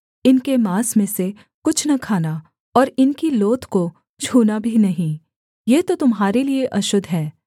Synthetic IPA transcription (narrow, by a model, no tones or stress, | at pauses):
ɪnkemaːsmẽse | kʊt͡ʃʰnɐkʰaːna | ɔːɾɪnkiloːt̪ko | t͡ʃʰuːnabʱinɐɦĩ | jeːt̪ot̪ʊmɦaːɾelieʔɐʃʊd̪ʱɦɛː